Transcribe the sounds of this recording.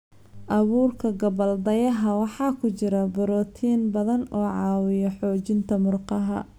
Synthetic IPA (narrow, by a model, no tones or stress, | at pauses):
ʔɐβuːrkʰɐɡɐbɐld̪ɐjɐɦɐwɑħɑːkʰʊt͡ʃɪɾɐbʊɾɔːt̪ʰiːnbɐðɐnɔːʕɑːwɪjɔħɔːt͡ʃɪnt̪ʰɐmʊrqɑɦɐ̰